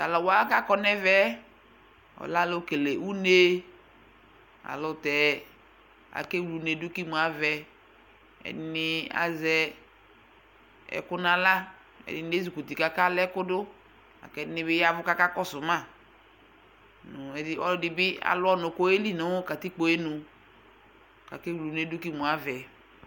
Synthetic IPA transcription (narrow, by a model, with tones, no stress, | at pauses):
ta˨lɔ˨wa˦ka˦kɔ˦nɛ˦vɛ˦ | ɔ̰˨la˦lo˦ke˨le˨u˦ne˦ | a̰˨lʊ˨t̪ɛ˨ | a̰˨ke˦wlu˨ne˨dʊ˦ki˦mu˨a˨vɛ˨ | ɛ̰˨dɪ˦nɪ˦a̰˨zɛ˦ | ɛ̰˨kʊ˦nã˦la˦ | ɛ̰˨dɪ˨n˦e˦zu˨ku˨ti˨ka˦ka˦lɛ˦kʊ˦dʊ˦ | a̰˨kɛ˦˨dɪ˦nɪ˦bɪ˦ja˦vʊ˦ka˦ka˦kɔ˦sʊ˨mã˦˨ | nʊ̃˨ɛ˨dɪ˦ɔ˦dɪ˨bɪ˦a̰˨lʊ˦ɔ˦nʊ˨ko˦e˦li˦nʊ̃˨˦ʊ˦ka˨ti˦k͡po˨e˦nʊ̃˨ | ka̰˨ke˦wlu˨ne˨dʊ˦ki˦mũ˨a˦vɛ˨